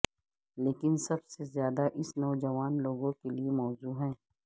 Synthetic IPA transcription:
leːkɪnsɐbsezjaːd̪aʔɪsnɐːd͡ʒɐʋaːnloːɡõkeliemɔːzuːɦɛ̃ː

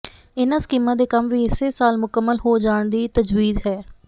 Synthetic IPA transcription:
ɪnaːskiːmãːd̪eːkəmʋiːɪseːsaːlmʊkəmːəlɦoːd͡ʒaːɳd̪iːt̪əd͡ʒwiːzɦɛː

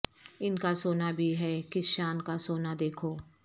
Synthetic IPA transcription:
ɪnkasoːnabʱiɦɛːkɪsʃaːnkasoːnad̪eːkʰoː

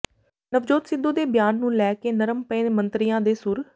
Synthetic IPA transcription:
nəʋd͡ʒoːt̪sɪd̪ːuːd̪eːbjaːnːũːlɛːkeːnəɾəmpəːmənt̪ɾɪjãːd̪eːsʊɾ

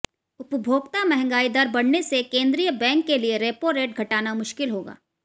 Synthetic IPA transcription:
ʊpbʱoːɡ̚t̪amɛɦɛ̃ŋɡaːid̪aɾbɐɽ̤nesekẽːnd̪ɾijəbɛ̃ːŋkːelieɾeːpoɾeːʈ̚ɡʱɐʈaːnamʊʃkɪlɦoːɡa̰ː

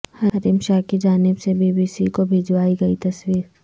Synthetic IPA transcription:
hɐɾimʃaːkid͡ʒaːnɪbsebiːbiːsikobʱeːd͡ʒwaːiɡɐit̪ɐswiːɾ

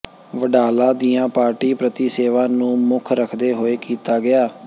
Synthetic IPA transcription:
ʋəɖaːlãːd̪iːjãːpaːɾʈiːpɾət̪iːseːʋaːnũːmʊkʰɾəkʰd̪eːɦoːeːkiːt̪aːɡɪaː

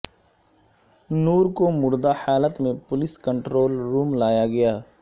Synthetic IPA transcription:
nuːɾkomʊɾd̪ahaːlət̪mẽpʊlɪskə̃ɳʈɾoːlɾuːmlaːjaɡɐjaː

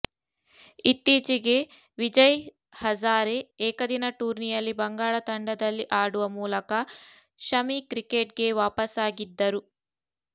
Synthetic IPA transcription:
it̪ːiːt͡ʃiɡe̞ | ʋid͡ʒɐj | hɐd͡ʒaːɾeɛːkɐd̪inɐʈuːɾnijɐlːibɐŋɡaːɭɐt̪ɐɳɖɐd̪ɐlːiʔaːɽuʋɐmuːlɐkɐ | ʃɐmikɾikeːʈ̚ɡe̞ʋaːpɐsaːɡid̪ːɐɾu

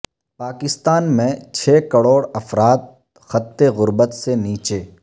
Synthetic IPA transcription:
paːkɪst̪aːnmẽt͡ʃʰeːkɐɽoːɽɐfɾaːt̪̚ | xɐt̪ːeɣʊɾbət̪seniːt͡ʃeː

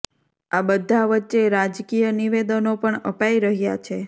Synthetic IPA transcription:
abəd̪ʱːaʋətːʃeɾad͡ʒkijəniʋed̪ənopəɳəpaiɾəɦja̰t͡ʃʰe

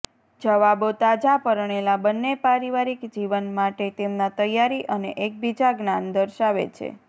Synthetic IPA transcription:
d͡ʒəʋabot̪ad͡ʒapəɾɳ̃elabənːepaɾiʋaɾikd͡ʒiʋənmaʈet̪emnat̪əjaɾiʔəneʔek̚bid͡ʒaɡnand̪əɾʃaʋḛt͡ʃʰḛ

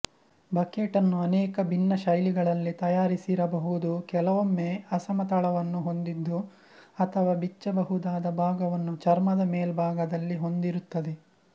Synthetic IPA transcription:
bʱɐkeːʈɐnːuɐnɛːkɐbʱinːɐʃɐjliɡɐɭɐlːit̪ɐjaːɾisiɾɐbɐɦud̪ukɛlɐʋomːeɐsɐmɐt̪ɐɭɐʋɐnːuɦo̞nd̪id̪ːu | ɐt̪ʰɐʋaːbit͡ʃːɐbɐɦud̪aːd̪ɐbʱaːɡɐʋɐnːut͡ʃɐɾmɐd̪ɐmeːlbʱaːɡɐd̪ɐlːiɦo̞nd̪iɾut̪ːɐd̪e

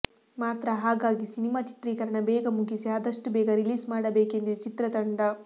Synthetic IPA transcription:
maːt̪ɾɐɦaːɡaːɡisinimaːt͡ʃi̥t̪ɾiːkɐɾɐɳɐbɛːɡɐmuɡisiaːd̪ɐʂʈubɛːɡɐɾiliːsmaːɽɐbeːkend̪uut͡ʃit̪ɾɐt̪ɐɳɖɐ

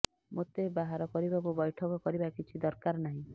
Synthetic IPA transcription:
mot̪ebaɦaɾɔkɔɾibakubɔjʈʰɔkɔkɔɾibakit͡ʃʰid̪ɔɾkaɾnaɦĩ

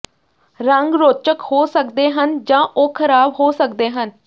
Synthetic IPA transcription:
ɾəŋɡɾoːt͡ʃəkhoːsəkd̪eːɦənd͡ʒãːʔoːkʰəɾaːbɦoːsək̚d̪eːɦən

